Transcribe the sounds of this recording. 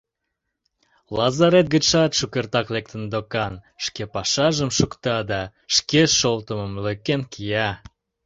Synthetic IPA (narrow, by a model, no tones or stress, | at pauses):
lɑzɑɾet̪̚ɡət͡ʃɑt̪ʃukert̪ɑklek̚t̪ənd̪okɑnʃkepɑʃɑʒəmʃukt̪ɑd̪ɑ | ʃkeʃolt̪əməmløkːenkʰijɑ